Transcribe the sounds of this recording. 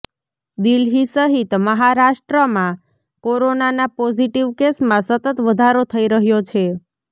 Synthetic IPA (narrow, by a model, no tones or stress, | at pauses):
d̪ilɦisəɦit̪məɦaɾaʃʈɾəmã | koɾonanapɔziʈiʋkesmãsət̪ət̪ʋəd̪ʱaɾot̪ʰəiɾəɦjot͡ʃʰe